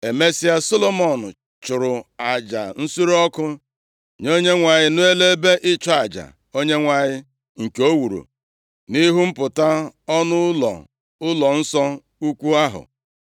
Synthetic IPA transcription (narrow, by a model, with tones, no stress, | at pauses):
e˨me˦si˦a˦so˦lo˦˨mɔ˨nʊ̰˨ | t͡ʃʊ˨ɾʊ˨a˨d͡ʒa̰˨n̩˦su˦ɾɔ˦kʊ˦ | ɲo˦ɲe˦ŋʷa˨ɲɪ˦nʊ˦e˦le˦be˦ʔɪ˦t͡ʃɔ˦a˨d͡ʒa̰˨ | o˦ɲe˦ŋʷa˨ɲɪ˦ | ŋ̩˨ke˨o˦wu˨ɾṵ˨ | ni˦ɦu˦m̩˦pʊ˨ta˦ɔ˦nʊ˦lɔ̰˨ | ʊ˦lɔ˨n̩˦sɔ˦ | u˦kʷu˦a˦ɦʊ̰˨